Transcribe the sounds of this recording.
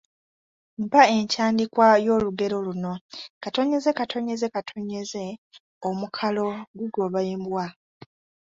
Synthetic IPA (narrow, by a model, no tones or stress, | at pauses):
mpae̞ɲcaːndikwajo̞ːluɡe̞ɾo̞luno̞kato̞ɲe̞ze̞katʰo̞ɲe̞ze̞katʰo̞ɲe̞ze̞ | omukʰalo̞ɡuɡo̞βaeːmbwa